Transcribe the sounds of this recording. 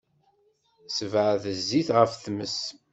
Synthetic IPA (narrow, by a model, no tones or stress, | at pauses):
səvʕðəzːiθʁəfθməs